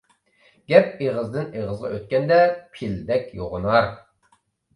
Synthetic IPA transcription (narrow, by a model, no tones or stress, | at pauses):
ɡʲɛp̚eʁəzd̪ɨneʁəzʁɑ̰øt̪̚kʲɛnd̪ɛpʰild̪ɛkʲjoʁʊnɑɾ